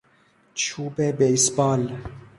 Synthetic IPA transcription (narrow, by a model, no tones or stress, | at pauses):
t͡ʃʰuːbɛbejsbɑːl